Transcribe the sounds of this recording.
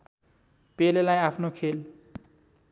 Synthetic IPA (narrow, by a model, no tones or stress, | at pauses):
pelelajapʰnokʰel